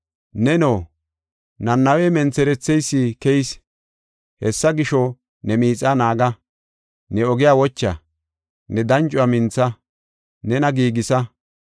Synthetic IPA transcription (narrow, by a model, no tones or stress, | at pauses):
nɛnoː | nɐnːɐweːmɛnt͡sːɛɾɛt͡sːɛjsːiːkɛjs | hɛsːɐɡɪʃɔ | nɛmiːt͡sʼːanaːɡɐ | nɛɔɡɪjaːwɔt͡ʃːɐ̰ | nɛd̪ɐnt͡ʃʼʊɐmɪnt͡sːɐ | nɛnɐɡiːɡɪsɐ